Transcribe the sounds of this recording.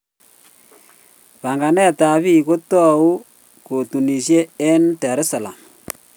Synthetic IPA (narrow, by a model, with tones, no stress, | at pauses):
pa˨ŋɡa˨nɛ˦ta˨βi˦ko˦tɔ˦u˦ | ko˨tu˨ni˨sje˦ɛ˦ntɛ˨ɾe˦sa˨la̰˨m